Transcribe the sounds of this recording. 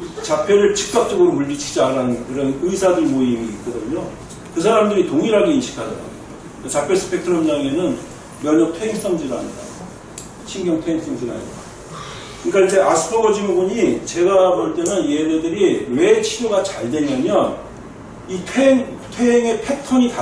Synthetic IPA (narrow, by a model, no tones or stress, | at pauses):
t͡ɕapʰeɾɯɭt͡ɕɯk̚k͈ak̚t͡ɕ͈ʌɡɯɾomuʎːit͡ɕʰi̥d͡ʑaɾanɯnkɯɾʌnɯisʰadɯɭmoimiːt̚k͈ʌdɯɲo | kɯsʰaɾamdɯɾitoŋiɾɦaɡe̞inɕʰi̥kʰadʌ̰ɾa̰ɡ | kat͡ɕapʰjes͈ʰɯ̥pʰe̞k̚tʰɯɾʌmɲaŋe̞nɯn | mjʌɲʌk̚tʰwe̞ɦeŋs͈ʌŋd͡ʑiɾa̰ɲida̰ | t͡ɕʰiŋɡjʌŋtʰweeŋs͈ʌŋd͡ʑiɾa̰ɲḭda | kkɯɲik͈aid͡ʑe̞ʔasʰɯ̥pʰʌɡʌd͡ʑimoboɲit͡ɕe̞ɡabʌɭt͈e̞nɯnjededɯɾiwe̞t͡ɕʰiɾjoɡat͡ɕaɭdwe̞mjʌɲjʌn | itʰeeŋtʰweɦeŋe̞pʰe̞tʰʌɲita